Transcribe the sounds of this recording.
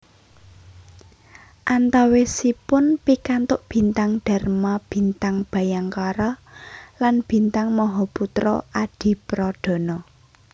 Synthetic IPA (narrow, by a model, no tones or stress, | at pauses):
ʔant̪awesipʊnpikant̪ʊʔb̥i̤nt̪aŋɖ̥a̤rmab̥i̤nt̪aŋb̥a̤jaŋkaɾɔlanb̥i̤nt̪aŋmɔɦɔput̪ɾɔ̰ʔaɖ̥i̤pɾɔɖ̪̥ɔ̤nɔ